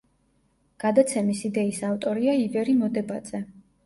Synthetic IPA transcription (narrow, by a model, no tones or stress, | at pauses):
ɡ̥ad̪at̪sʰɛmisid̪ɛisaft̪ʼɔɾiaibɛɾimɔd̪ɛbad̪z̥ɛ